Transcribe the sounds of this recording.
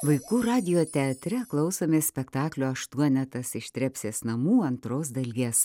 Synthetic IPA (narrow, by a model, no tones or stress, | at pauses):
ʋɐɪkuːɾɑːd̪ʲɪjoːt̪ʲɛɐt̪ʲɾʲɛklˠɐʊsoːmʲɪsʲpʲɛkt̪ɑːklʲoːɐʃt̪uɔnʲɛt̪ɐsɪʃt̪ʲɾʲɛpʲsʲeːsnɐmuːɐnt̪ɾoːs̬d̪ɐlʲɡʲeːs